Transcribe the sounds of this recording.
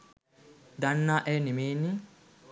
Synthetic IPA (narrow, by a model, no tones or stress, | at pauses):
d̪anːaːʔɛnimeːni